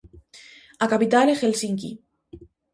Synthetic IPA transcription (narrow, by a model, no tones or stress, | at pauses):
akapit̪alexelsiŋkḭ